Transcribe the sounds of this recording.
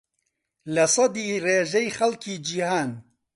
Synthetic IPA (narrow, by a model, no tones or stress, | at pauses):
lɐsˤɑd̪iːreːʒɛjxɐlkiːd͡ʒihaːn